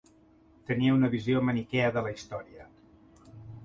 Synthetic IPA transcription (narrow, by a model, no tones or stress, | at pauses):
t̪əniəunəβiziomənikɛəðələist̪ɔɾiə